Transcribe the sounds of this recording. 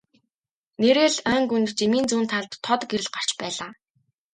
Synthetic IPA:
neɾeːɮœːŋɡunt̪t͡ɕemiːnt͡suːnt̪ʰaɮt̪ʰːɔt̪ɡeɾɘ̆ɮɢar̥t͡ɕpæːɮaː

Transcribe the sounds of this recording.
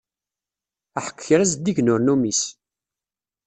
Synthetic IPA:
aħə̥kːçəɾæzd̪iʝnʊɾnumis

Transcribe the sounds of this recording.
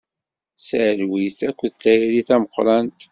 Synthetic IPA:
sʕlwiθækʷːðt̪ːæjiliθæməqːɾˤɑnt̪

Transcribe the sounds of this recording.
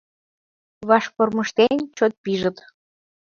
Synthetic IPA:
βɑʃporməʃt̪ent͡ɕot̪̚piʒət̪

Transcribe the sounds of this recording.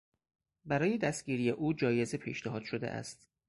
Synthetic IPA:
bæɾɒːje̞d̪æst̪̚ɟiːɾije̞ʔuːd͡ʒɒːje̞zepʰḭːʃneɦɒːd̪̥ʃod̪eʔæ̰st̪

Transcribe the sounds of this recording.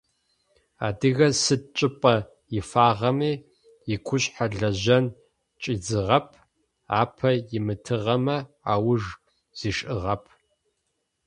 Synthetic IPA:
a̰ːdɨɣɐsɨd̚t͡ʃʼɪpʼɐ | jɪfaːʁɐmiː | jɪkʷʰʊɕʼħaɮɐʑɐn | t͡ʃʼid͡zɨʁɐpʰ | a̰ːpʰɐjɪmɨtʰɨʁɐmɐ | a̰ːwʊʐ | z̥iːʂʼʔɨʁɐpʰ

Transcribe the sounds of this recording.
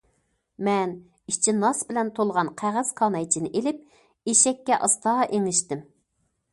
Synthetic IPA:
mɛn | it͡ʃʰinɑsbɪlɛnt̪ʰolˠʁɑnqʰæʁæz̥kʰɑnɛjt͡ʃʰinɪʔelɪp̚ | eʃɛkʲːɛʔɑst̪ɑːʔeŋlɪʃt̪ɪm

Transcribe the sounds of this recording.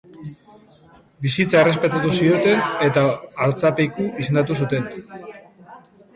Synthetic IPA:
bisit͡sae̞re̞spe̞t̪at̪usio̞t̪e̞ne̞t̪aːɾt͡sape̞jkuis̬e̞nd̪at̪usut̪e̞n

